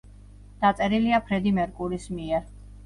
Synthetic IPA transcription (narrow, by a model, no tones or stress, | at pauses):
d̪̥at̪sʼɛɾiliapʰɾɛd̪imɛɾkʼuɾismiɛɾ